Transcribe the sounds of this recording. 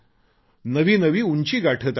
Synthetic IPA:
nəʋiːnəʋiːunt͡ɕiːɡaʈʰəːt̪

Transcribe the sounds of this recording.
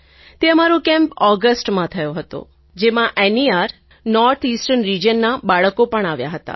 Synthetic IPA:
t̪eəmaɾõkɛ̃mpɔɡəsʈmãt̪ʰəjoɦət̪o̰ | d͡ʒemãʔɛniaɾ | nɔɾt̪ʰisʈənɾid͡ʒənːabaɭəkopəɳaʋja̰ɦət̪a̰

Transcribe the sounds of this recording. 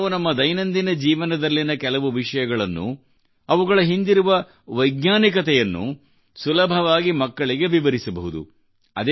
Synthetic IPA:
unɐmːɐd̪ɐjnɐnd̪inɐd͡ʒiːʋɐnɐd̪ɐlːinɐkɛlɐʋuʋiʂɐjɐɡɐɭɐnːṵ | ɐʋuɡɐɭɐɦind̪iɾuʋɐ | ʋɐjɡnaːnikɐt̪ɛjɐnːṵ | sulɐbʱɐʋaːɡimɐkːɐɭiɡeʋiʋɐɾisɐbɐɦud̪ṵ | ɐd̪e

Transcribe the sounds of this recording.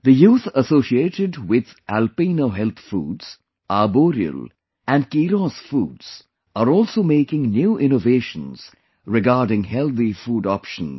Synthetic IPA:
d̪əjuːt̪əsoːsieːʈɪɖwɪd̪ | ʔælpiːnoɦɛlt̪ʰfṵːɖz̥ | ʔaboːɾiə̰l | æ̃nɖkiːɾɔːsfuːɖz̥ | aɾɔːlsomeːkɪ̃ŋnjuːʔɪ̃noveːʃə̃nz̥ | ɾɪɡaːɾɖɪ̃ŋhɛlt̪ifuːɖɔpʃə̃n

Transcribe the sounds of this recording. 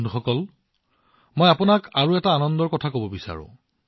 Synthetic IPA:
nduxɔkɔl | mojapʊnakaɹuɛtaːnɔndɔɹkɔtʰakobɔbisa̰ɹʊ̰̃

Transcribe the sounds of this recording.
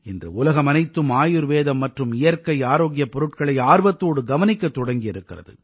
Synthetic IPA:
ɛndrɯ̰ʊlɐɣɐmɐnɐɪt̪ːɯmaːjɯɾʋeːðɐmːɐʈrɯmɪjɐɾkɐɪaːɾoːɡɪjɐpːɔɾɯʈ̚kɐɭɐɪaːɾʋɐt̪ːoːɽɯɡɐʋɐnɪkːɐt̪ːɔɽɐŋɡɪjɪɾɯkːɪrɐðɯ̰

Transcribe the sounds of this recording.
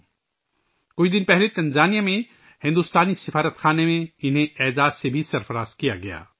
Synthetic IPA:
kʊid̪ɪnpɛɦlet̪ɐ̃nzaːnijamẽ | hɪ̃nd̪uːst̪aːnisɪfaːɾət̪xaːnemẽɪnɦẽɛːzaːzsebʱisɐɾfɐɾaːzkijaɡɐja̰ː

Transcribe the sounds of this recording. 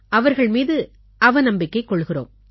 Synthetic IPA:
ʔɐʋɐɾɣɐɭmiːðɯ | ʔɐʋɐnɐmbɪkːɐɪkːɔɭːɣɪro̰ːm

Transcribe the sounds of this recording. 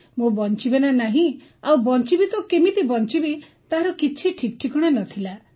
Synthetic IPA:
mobɔnt͡ʃibenanaɦĩ | awbɔnt͡ʃibit̪ɔkemit̪ibɔnt͡ʃibi | t̪aɦaɾɔkit͡ʃʰiʈʰik̚ʈʰikɔɽ̃anɔt̪ʰila

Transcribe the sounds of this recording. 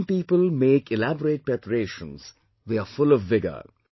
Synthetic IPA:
mpiːpəlmeːkʰɪlæbəɾeːʈ̚pɛpɾeːʃə̰̃ns | ðeafʊlɔʋːɪɡə̰

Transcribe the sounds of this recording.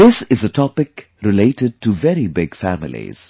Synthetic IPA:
ðɪsɪzətʰɔpɪk | ɾɪleɪʈɨɖ̚ʈʰuvɛɾibɪɡ̥fæmɪ̰lḭz̥

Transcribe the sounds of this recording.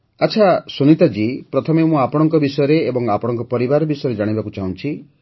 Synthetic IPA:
at͡ʃʰasunit̪ad͡ʒipɾɔt̪ʰɔmemũapɔɽ̃ɔŋkɔbisɔjɔɾeːbɔŋapɔɽ̃ɔŋkɔpɔɾibaɾɔbisɔjɔɾed͡ʒaɽ̃ibakut͡ʃaɦũnt͡ʃʰi

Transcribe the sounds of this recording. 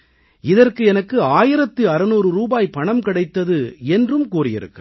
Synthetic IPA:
ɪðɐrkɯɛnɐkːɯaːjɪɾɐt̪ːɯɐɾɐnuːɾɯɾuːbaːjpɐɳɐmkɪɽɐɪt̪ːɐðɯɛndrɯmkuːrɪjɪ̰ɾɯ̰kːɯ

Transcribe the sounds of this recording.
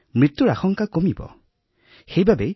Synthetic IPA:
mɹit̪ːuɹaxɔŋkakomibɔ̰ | xejbabe

